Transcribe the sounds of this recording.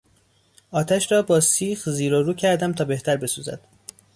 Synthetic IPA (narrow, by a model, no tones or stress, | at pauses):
ʔɒːt̪ʰæʃɾɒːbɒːsiːxziːɾoɾuːcʰæɾd̪æmt̪ʰɒːbe̞ht̪ʰæɾbe̞suːzæ̰d̪̥